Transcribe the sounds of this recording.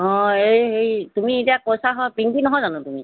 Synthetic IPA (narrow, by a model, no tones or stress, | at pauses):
ɔ̃ejɦejtumietiakɔsʰaɦɔpiŋkinɔɦɔzanʊtumi